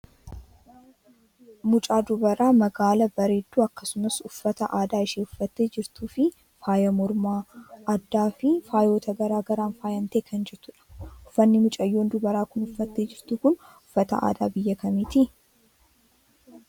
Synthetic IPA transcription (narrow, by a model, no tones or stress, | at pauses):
mʊt͡ʃʼaːd̪ʊbɐɾaːmɐɡaːlɐbɐɾeːd̪ːuːɐkːɐ̥sʊmɐsʊfːɐt̪ɐʔaːd̪aːɪʃeːʊfːɐt̪ːeːd͡ʒɪɾt̪uːfɪ | faːjɐmɔɾmaːɐd̪ːaːfɪfaːjo̞ːt̪ʰɐɡɐɾaːɡɐɾaːnfaːjɐnt̪eːkʰɐnd͡ʒɛɾt̪ʊᶑɐ̥ʊfːɐnːɪmʊt͡ʃʼɐjːoːnd̪ʊbɐɾaːkʊnʊfːɐt̪ːe̞ːd͡ʒɪɾt̪uːkʊn | ʊfːɐt̪ɐ̰ʔa̰ːd̪aːbɪjːɐkɐmiːt̪ɪ